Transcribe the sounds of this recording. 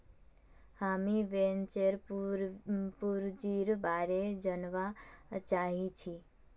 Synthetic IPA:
hamiʋent͡ʃeɾ | puɾd͡ʒiɾbaɾed͡ʒənʋat͡ʃaɦit͡ʃʰi

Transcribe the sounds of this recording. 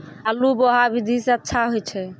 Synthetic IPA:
əluboɦabid̪ʱisẽətːʃʰaɦojt͡ʃʰɛ

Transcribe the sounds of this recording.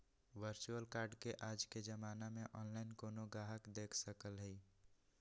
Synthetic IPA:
ʋəɾt͡ʃuəlkaːɾɖkeʔaːd͡ʒked͡ʒəmaːnamẽʔɔːnlaːɪnkoːnoɡɾaːɦəkd̪eːkʰsəkəlɦɛi

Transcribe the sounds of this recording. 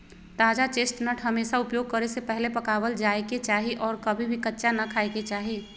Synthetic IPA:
t̪aːd͡ʒat͡ʃeːsʈ̪nəʈʰɦɐmeːsaʊpjoːɡ̚kəɾesepɛɦlepɐkaːwəld͡ʒaːeket͡ʃaːɦiʔɔːɾkɐbʱibʱikətːʃanakʰaːeket͡ʃaːɦiː

